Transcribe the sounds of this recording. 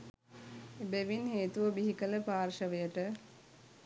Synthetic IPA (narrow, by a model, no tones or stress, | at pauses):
ebeʋinɦeːt̪uʋəbiɦikələpaːrʃɐʋejəʈə